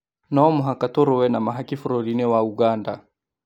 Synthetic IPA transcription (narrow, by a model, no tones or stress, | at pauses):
naɔmuɦakatɔɾɔwɛnamaɦakifuɾɔɾinɛwauɡanda